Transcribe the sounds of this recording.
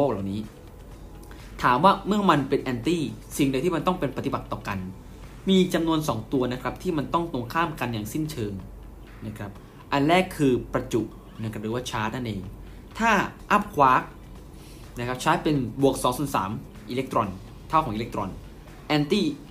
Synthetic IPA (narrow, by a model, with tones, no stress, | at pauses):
oː˥˩k̚la˨˩wniː˦˥ | t̪ʰaː˩˦mwaː˥˩mɯ˥˩əma˧npe˧nʔɛː˧nt̪iː˥˩si˨˩ŋda˧t̪ʰiː˥˩ma˧nt̪ɔ˥˩ŋpe˧npa˧t̪i˨ba˨˩t̪ːɔː˨˩ka˧n | miː˧t͡ɕa˧mnu˧ənsɔ̰ː˩˦ŋt̪u˧ɐna˦˥kʰɾa˦˥p̚t̪ʰiː˥˩ma˧nt̪ɔ˥˩ŋt̪o˧ŋkʰaː˥˩mka˧njaː˨˩ŋsi˥˩nt͡ɕʰɤː˧ŋ | na˦˥kʰɾa˦˥p̚ | ʔa˧nɾɛː˥˩kʰːɯː˧pɾa˧t͡ɕu˨˩ʔ | na˦˥˩ka˥ɾɯː˩˦waː˥˩t͡ɕʰaː˦˥t̪̚na˥˩nʔeː˧ŋ | t̪ʰaː˥˩ʔa˦˥p̚kʰwaː˦˥k̚ | na˦˥kʰɾa˦˥p̚t͡ɕʰaː˦˥t̪̚pe˧nbu˨˩ək̚sɔː˩˦ŋsu˩˦nsa̰ː˩˦m | ʔiː˧le˦˥k̚t̪ɾɔ˧n | t̪ʰa˥˩wʰɔː˩˦ŋʔːle˦˥k̚t̪ɾɔ˧n | ʔɛː˧nt̪iː˥˩